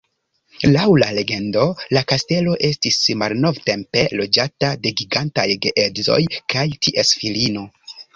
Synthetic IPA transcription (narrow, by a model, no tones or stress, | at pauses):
lawlale̞ɡe̞ndo̞lakaste̞lo̞ʔe̞stismalno̞vte̞mpe̞lo̞d͡ʒatade̞ɡiɡantajɡeʔedzo̞̰jkajtiʔesfilino̞